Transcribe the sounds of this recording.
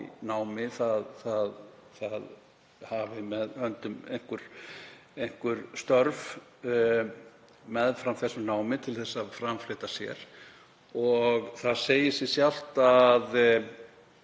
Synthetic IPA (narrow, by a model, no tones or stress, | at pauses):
naːwmɪθaðθaðθað | havɪmɛðhœnt̪ʏmḛjŋ̥kʏɾ̥ | ejŋ̥kʏɾst̪œɾv | mɛðfɾamθɛsːʏmnaːwmɪt̪ʰɪlθɛsːaðfɾamflɪːt̪asjɛ̰ɾ̥ | ɔɣθaðseːjɪsjɛsjal̥t̪að